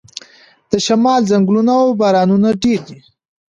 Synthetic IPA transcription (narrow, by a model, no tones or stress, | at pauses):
d̪̥əʃamɑlzaŋɡlunaːwbɑɾɑnunaɖeɾd̪i